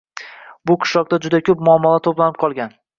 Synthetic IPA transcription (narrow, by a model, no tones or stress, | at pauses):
bʊqʰɨ̥ʃlɒq̚t̪ad͡ʒʊd̪akʲʰɵpmʊɒmːɒlat̪ʰoplanɪp̚qʰɒlˠɡʲan